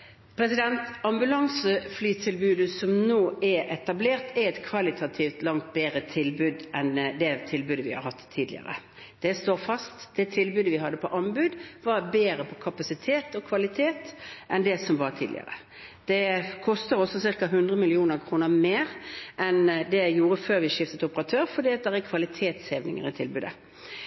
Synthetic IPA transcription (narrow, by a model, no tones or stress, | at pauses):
pʰɾɛsɪd̪ɛnt̪ɑmbʉlɑŋsəflyːt̪ʰɪlbʉːd̪əsɔmnoːɛɛt̪ɑbleːʁt̪ɛɛt̪kʰʋɑlɪt̪ʰɑt̪ʰiːft̪lɑŋt̪beːɾət̪ʰɪlbʉːd̪ʔɛnd̪ɛt̪ʰɪlbʉːd̪əʋɪhɑ̰ɾhɑt̪ʰːiːd̪lɪə̰ɾə̰ | d̪̥ɛst̪oːfɑst̪d̪̥ɛt̪ʰɪlbʉːd̪əʋɪɦɑd̪ːəpʰɔʔɑmbʉd̪ʋɑɾbeːɾəpʰɔkʰɑpɑsɪt̪ʰeːt̪ɔkʰʋɑlɪt̪ʰeːt̪ʔɛnd̪ɛsɔmʋɑʁt̪ʰiːd̪lɪ̰ə̰ɾə̰ | d̪̥ɛkʰɔst̪əɾɔsːɔsɪʁkɑɦʉnd̪ʁəmɪlɪuːnəʁkʰɾuːnəʁmeːɾʔɛnd̪ɛjuːɾəføːɾʋɪʂɪft̪ət̪ʊpəʁɑt̪ʰøːɾfɔɖiːɑt̪̚d̪ɛɾɛkʰʋɑlɪt̪ʰeːt̪sheʋnɪ̰ŋə̰ɾɪt̪ʰɪlbʉːd̪ə̰